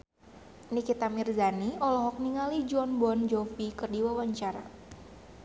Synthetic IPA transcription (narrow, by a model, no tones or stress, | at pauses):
nikit̪amirzaniɔlɔɦɔk̚niŋalid͡ʒuɔnbɔnd͡ʒofikɨrdiwawaɲt͡ʃaɾa